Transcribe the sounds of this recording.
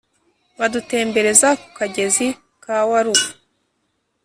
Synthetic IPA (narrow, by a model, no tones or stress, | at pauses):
βadute̞ːmbe̞ɾe̞zaku̥kaɟe̞zi | kawaɾuβu